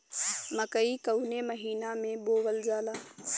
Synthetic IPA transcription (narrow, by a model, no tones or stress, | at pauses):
məkəikəwʊneməɦiːnamẽboːʋəld͡ʒaːlaː